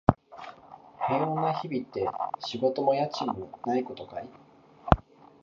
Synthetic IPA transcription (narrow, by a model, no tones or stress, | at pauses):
hẽ̞õnaçibʲit̪ːe̞ɕiɡo̞t̪o̞mo̞jat͡ɕimɯ̟naiko̞t̪o̞kai